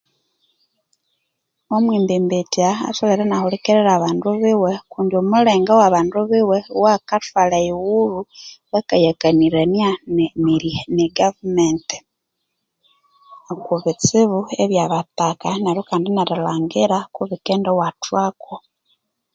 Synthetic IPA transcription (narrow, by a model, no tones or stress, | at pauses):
omwiːmbimbetiaa̰soβeɾanahulikeɾeɾaβaːnduβiwekuːndjomuleːŋɡawaβaːnduβiwewakatwalaiwuβuwakajakaniɾanianmiɾineɡavumente̥ | kuβit͡siβueβjaβatakanaɾokaːndinaɾilaːŋɡiɾakuβikeːndowatwako